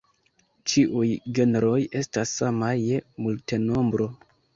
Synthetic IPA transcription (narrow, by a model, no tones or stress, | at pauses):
t͡ʃiʔujɡe̞neɾo̞je̞stasːamajemulte̞no̞mbɾo̞